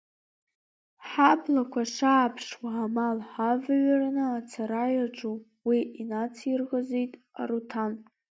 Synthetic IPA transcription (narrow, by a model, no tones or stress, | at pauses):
ħapʰlakʷʰaʂaːpʰʂwaamalħavɥaɾanɨat͡sʰaɾajaʈ͡ʂʼu | wiinat͡sʰirɣazejtʼ | a̰ɾutʰan